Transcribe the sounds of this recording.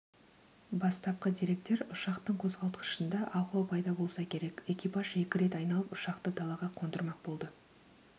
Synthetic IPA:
bɑst̪ɑp̚qəd̪ijɾe̞k̚t̪e̞ɾʊʃɑqt̪əɴqʰozʁɑlˠt̪əqə̥ʃənd̪ɑʔɑwq̪ˠpʰɑjd̪ɑbo̞lˠsɑkʲʰe̞ɾe̞kʲe̞kʲijpɑʒe̞kʲɪɾe̞t̪ɑjnɑlˠəpʊʃɑqt̪əd̪ɑlˠɑʁɑqʰond̪əɾmɑq̚b̥o̞lˠd̪ə

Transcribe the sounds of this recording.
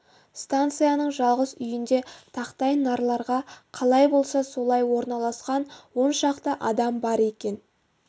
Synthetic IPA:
st̪ant̪sɨjanəɴʒɑlˠʁəzʏjɪnd̪e̞t̪ʰɑqt̪ɑjnːɑɾlˠɑɾʁɑqʰɑlˠɑjbo̞lˠsɑso̞lˠɑjwo̞ɾnɑlˠɑsqɑnwo̞nʃɑqt̪əʔɑd̪ɑmbɑɾe̞kʲe̞n

